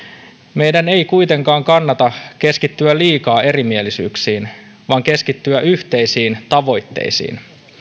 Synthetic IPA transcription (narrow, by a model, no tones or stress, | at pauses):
me̞jdæne̞ijkuit̪e̞ŋkɑːŋkɑnːɑt̪ɑk̟e̞skit̪ːyæliːkɑːe̞ɾimie̞lisy̰ːksiːn | ʋɑːŋke̞skit̪ːyæʔyht̪e̞jsiːnt̪ɑʋo̞jt̪ːḛisḭːn